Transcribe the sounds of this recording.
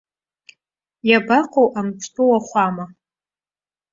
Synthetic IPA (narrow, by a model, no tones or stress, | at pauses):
jabaqʰʼowʔamt͡sʷʰʼtʰʼowaχʷama